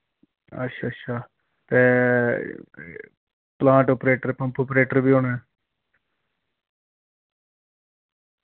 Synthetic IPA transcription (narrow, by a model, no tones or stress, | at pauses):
ə̰tːʃʰaːətːʃʰaː | t̪eː | plãːɳʈoːpɾeːʈəɾpə̃mpoːpɾeːʈəɾbiːɦoːnaɛː